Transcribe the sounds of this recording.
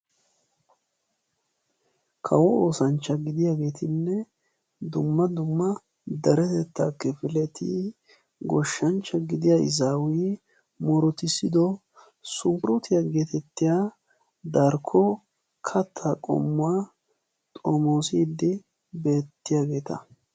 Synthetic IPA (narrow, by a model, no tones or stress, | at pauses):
kʰɐwɔoːsɐnt͡ʃːɐɡɪd̪ɪjaːɡe̞ːt̪ʰɪnːɛ | d̪ʊmːɐd̪ʊmːɐ | d̪ɐɾɛt̪ɛt̪ːaːkːɛfɪlɛt̪ʰiː | ɡɔʃːɐnt͡ʃːɐɡɪd̪ɪjaːɪ̰zaːwiː | mɔɾɔt̪ɪsɪd̪ɔ | sʊŋkɾut̪ɪjaɡeːt̪ɛt̪ːɪjaː | d̪ɐɾkʰːɔ | kʰɐt̪ʰːakʼɔ̰mːʊa | t̪ʼoːmoːsiːd̪ːɪ | be̞ːt̪ːɪjaːɡe̞ːt̪ɐ̰